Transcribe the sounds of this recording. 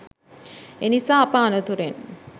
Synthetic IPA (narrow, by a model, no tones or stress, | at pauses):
enisaːɐpaːnət̪uɾen